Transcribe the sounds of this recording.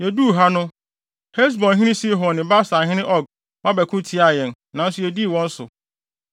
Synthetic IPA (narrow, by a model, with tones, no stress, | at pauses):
jɛ˨du˦˨ɦa˦nʊ̃˦ | he˦ls̬bɔ̃˨nɦĩ˦ɪ̃˦si˦ɦɔ˨nɪ̃˨ba˦sã˨ɦɪ̃˦ɪ̃˦ʔɔ˦˨ɡ̚ | mã˦bæ˨kʰʊ̃˦tʰi˦a˨jɛ̃˨n | nã˨n̩˦sʊ˦ɛ˨di˦˨wɔ̃˦n̩˦sʊ̰˨